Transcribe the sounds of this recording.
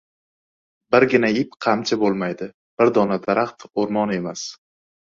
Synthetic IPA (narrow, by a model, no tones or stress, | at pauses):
bɪɾɡʲɪnaɪpqʰɑmt͡ʃʰabolˠmajd̪ɪ | b̥ɪɾd̪ɒnad̪aɾaχt̪oɾmɒne̞mas